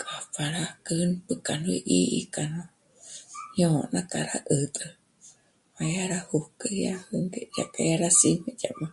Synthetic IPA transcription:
kʼafaɾakɨnpɨkanuiʔiʔḭkano | ɲonakʼaɾa̰ʔɨt̪ʼɨ | majaɾahukəjahɨŋɡeja̰pʼajaɾasimed͡ʒa̰ma

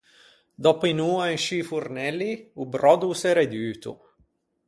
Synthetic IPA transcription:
d̪ɔpinuːaenʃifurnɛliubɾɔd̪usɛɾed̪yːt̪ṵ

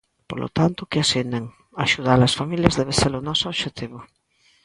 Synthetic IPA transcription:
po̰lʔo̰t̪ant̪ʊkɪasineŋ | aʃuð̞alɐsfamiljɐzðɛβeseɾʊnɔsʊoβʃet̪iβʊ

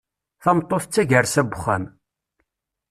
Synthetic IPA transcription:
θɑmt̪ˤːoθt͡sːæʝəɾsæbχæ̰m

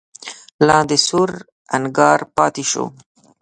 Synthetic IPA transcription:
lɑ̃ːd̪esuɾ | ɐnɡɑːɾpɑːt̪iʃo̰ː

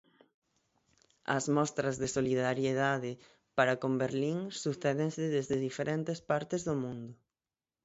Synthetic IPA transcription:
ɐ̰zmɔst̪ɾɐzðesoliðaɾjeðaðɪ | paɾakombeɾliŋsuθɛðeŋsɪðezðɪðifeɾʔent̪espaɾt̪ɪzðomũnd̪ʊ

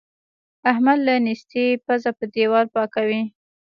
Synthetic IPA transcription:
ahmad̪lanist̪epazapəd̪ewɑɾpɑkawi

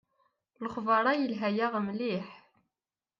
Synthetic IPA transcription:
ləχvɑɾˤɑjəlɦæjaʁmliħ

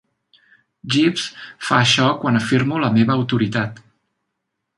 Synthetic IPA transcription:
ʒipsfa̰əʃɔkwanəfiɾmuləmeβəːwt̪uɾit̪at̪

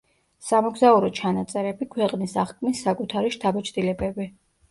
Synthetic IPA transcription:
samɔɡzauɾɔt͡ʃʰanat̪sʼɛɾɛbikʰwɛqʼnisaχkʰʼmisːakʼut̪ʰaɾiʃt̪ʰabɛt͡ʃʰd̪ilɛbɛbi

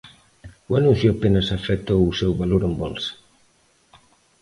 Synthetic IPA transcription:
uanũn̟θjuapenɐsafet̪owusewβaloɾembɔlsḁ

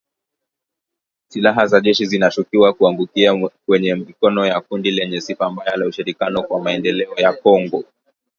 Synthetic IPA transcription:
silaɦazaʄɛʃizinat͡ʃukiwakuaŋɡukiakwɛɲɛmikɔnɔjakundilɛɲɛsifambajalauʃiɾikjanɔkwamaɛndɛlɛɔjakɔŋɡɔ

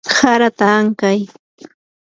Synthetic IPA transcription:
haɾat̪aŋkaj

